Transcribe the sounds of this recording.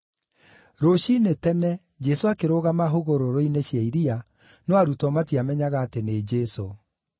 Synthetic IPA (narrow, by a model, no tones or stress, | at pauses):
ɾoɕinetɛnɛ | d͡ʒɛsoakeɾoɣamaɦoɣoɾoɾoineɕjaiɾia | noaɾutɔmatiamɛɲaɣaːtened͡ʒɛso